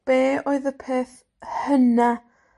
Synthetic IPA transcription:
b̥eːoɨðəpʰeːθ | həna

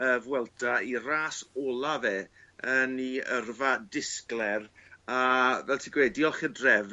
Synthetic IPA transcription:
əvwɛlˠdairaːsɔːlˠavɛːəniərvadɪsklɛravɛlˠtʰiɡ̥weːdiɔlˠχədrɛv

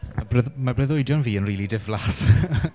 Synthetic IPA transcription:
mabrɛðmabrɛðoɨdjɔnviːənriːlidɪvlas

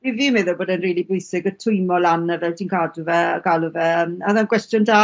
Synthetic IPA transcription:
ivimɛðɔboːdənriːlˠibʊɨsɪɡətʰʊɨmɔlˠanːəvɛltʰiːnkʰaduvɛɡ̥alˠuvɛəmaðankʰwɛstjʊndaː

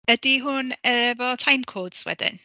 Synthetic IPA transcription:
əd̥iɦʊnəvɔtʰajmkʰoːd̥swɛ̰d̥ɪ̰n

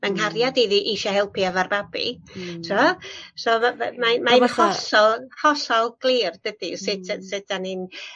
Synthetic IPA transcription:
manharjadiðiʔiʃɔhɛlˠpʰiavarbabḭtʰuɔsɔma̰manmaɪhɔsɔlˠhɔɬɔlˠɡ̥lˠiːrd̥əd̥isɪtʰsɪtʰanin

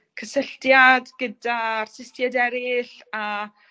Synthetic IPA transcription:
kʰəsəɬtjadɡ̥ədarsɪstjadɛɾɪɬ | a

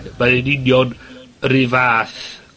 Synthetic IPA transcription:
maðɛnɪnjɔnrɪvaːθ

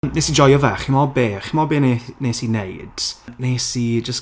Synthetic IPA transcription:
nesid͡ʒɔjɔvaːχɪmɔbeːχɪmɔbeːneneːsinejd̥nesid͡ʒəs

